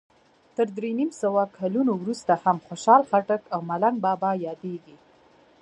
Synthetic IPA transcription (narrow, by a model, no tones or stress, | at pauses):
t̪əɾd̪ɾenimsawakʰalunowɾust̪ahamxoʃɑlxaʈakawmalaŋɡ̚bɑbɑjɑd̪eɡi